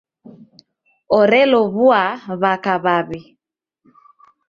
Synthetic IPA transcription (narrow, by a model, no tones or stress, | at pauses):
ɔɾɛlɔβuaβakaβaβi